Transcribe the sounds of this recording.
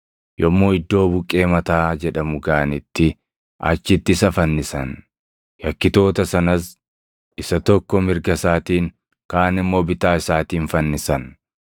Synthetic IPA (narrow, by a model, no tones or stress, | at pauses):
jɔmːoːɪd̪ːo̞ːbʊkʼːe̞ːmɐt̪aːd͡ʒɛᶑɐmʊɡaːnɪt̪ːɪ | ʔɐ̰t͡ʃːɪt̪ːɪsɐfɐnːɪsɐn | jɐkːɪt̪o̞ːt̪ɐsɐnɐs | ɪsɐt̪ɔkːɔmɪɾɡɐsaːt̪iːŋ | kaːnɪmːo̞ːbɪt̪aːɪsaːt̪iːnfɐnːɪsɐn